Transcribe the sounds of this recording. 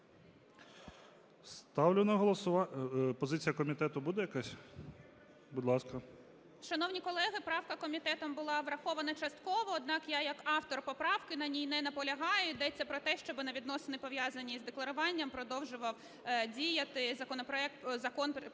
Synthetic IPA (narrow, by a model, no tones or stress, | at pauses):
st̪ɑwlʲʊnɐɦɔlˠɔsʊʋɑpɔzɪt͡sʲijɐkɔmʲit̪ɛt̪ʊbud̪ɛjɐkasʲ | bʊd̪lˠɑskɐ | ʃɐnɔwnʲikɔlˠɛɦɪpɾɑwkɐkɔmʲit̪ɛt̪ɔmbʊlˠɑʋɾɐxɔʋɐnɐt͡ʃɐst̪kɔʋɔːd̪nɑkjajɐkɑft̪ɔrpɔpɾɑwkɪnɐnʲijnɛnɐpɔlʲɐɦɑjʊd̪ɛt͡sʲːɐpɾɔt̪ɛʃt͡ʃɔbɪnɐʋʲid̪nɔsɨɪnɪpɔʋʲjazɐnʲːizd̪eklˠɐɾʊʋɑnʲːɐmpɾɔd̪ɔwʒʊʋɐw | dʲijɐt̪ɪzɐkɔnɔpɾɔɛk̚t̪zɐkɔnp